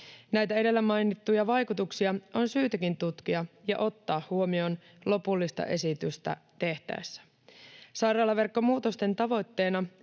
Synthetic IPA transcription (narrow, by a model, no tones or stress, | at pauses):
næjt̪æe̞de̞lːæmɑjnit̪ːujɑʋɑjkut̪uksiɑo̞nsyːt̪æk̟int̪ut̪k̟iɑjɑ̰ʔo̞t̪ːɑːhhuo̞mio̞n | lo̞pulːist̪ɑ̰ʔe̞sit̪yst̪æ̰t̪e̞ht̪æ̰ʋesːæ̥ | sɑjɾɑːlɑʋe̞rkːo̞muːt̪o̞st̪e̞nt̪ɑʋo̞jt̪ːe̞ːnɑ